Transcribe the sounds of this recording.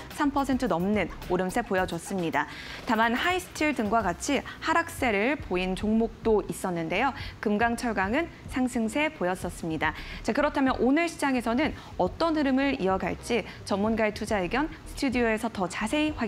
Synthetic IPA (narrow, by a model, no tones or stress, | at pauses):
sʰampʰʌsʰe̞ntʰɯnʌmnɯnoɾɯmsʰe̞pojʌd͡ʑʌs͈ɯmɲida | tamanhaisʰɯ̥tʰiɭdɯŋɡwaɡat͡ɕʰihaɾak̚s͈e̞ɾɯɭpoint͡ɕoŋmok̚t͈ois͈ʌnːɯnde̞jokɯmɡaŋt͡ɕʰʌɭɡaŋɯn | sʰaŋsʰɯŋsʰe̞pojʌs͈ʌs͈ɯmɲidat͡ɕakɯɾʌtʰamjʌnʔonɯɭɕʰid͡ʑaŋe̞sʰʌnɯn | ʌt͈ʌnhɯɾɯmɯɾiʌɡa̰ɭt͡ɕ͈i | t͡ɕʌmːunɡaetʰud͡ʑaeɡjʌnsʰɯ̥tʰudioe̞sʰʌtʌt͡ɕasʰe̞iɸwa